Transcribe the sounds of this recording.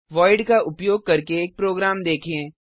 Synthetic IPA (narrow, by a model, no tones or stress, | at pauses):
ʋɔːɪɖkaʔʊpjoːɡ̚kɐɾkeːk̚pɾoːɡɾaːmd̪eːkʰeẽː